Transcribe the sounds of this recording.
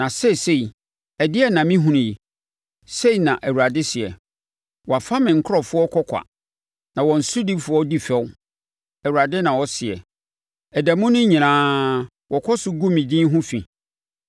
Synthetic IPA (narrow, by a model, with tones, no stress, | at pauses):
nã˨se˦˨se˦˨i˨ | ɛ˨dɪ˦ɛ˦nã˨mĩ˦ɦũ˦ñ˨ji˨ | se˦i˨nã˨ʔæ˨wu˨ɾa˨dɪ˦sɪ˨ɛ˨ | wɔ˨a˨fã˦mɪ̃˨ŋ̩˨kʰʊ˦ɾɔ˨fʊ˦ɔ˦kʰɔ˦kʷʰa̰˨ | nã˨wɔ̃˨n̩˨sʊ˦di˦fʊ˨˦ɔ˦di˦fɛ˦w | ɛ˨wu˨a˨dɪ˦nã˨wɔ˦sɪ˨ɛ̰˨ | ɛ˨dæ˨mʊ̃˦nʊ̃˦ɲĩ˨nãː˦ | wɔ˨kʰɔ˦sʊ˦ɡu˦mĩ˨dĩ˦ɦʊ̃˦fḭ̃˨